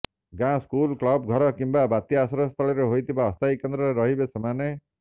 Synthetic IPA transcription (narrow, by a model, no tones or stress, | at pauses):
ɡãskulklɔbɡʱɔɾɔkimbabat̪jasɔɾɔst̪ʰɔɭɔɾeɦojt̪ʰibaɔst̪ʰajkend̪ɾɔɾeɾɔɦibesemane